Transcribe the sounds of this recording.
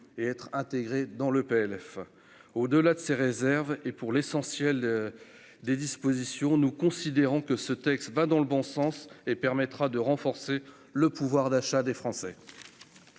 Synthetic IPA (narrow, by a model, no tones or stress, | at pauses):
eɛt̪χɛ̃t̪eɡʁed̪ɑ̃ləpeɛlɛf | od̪əlad̪əseʁezɛʁvepuʁlesɑ̃sjɛl | d̪ed̪ispozisjɔ̃nukɔ̃sid̪eʁɔ̃kəsət̪ɛkst̪vad̪ɑ̃ləbɔ̃sɑ̃sepɛʁmɛt̪χad̪əʁɑ̃fɔʁse | ləpuvwaʁd̪aʃad̪efχɑ̃sɛ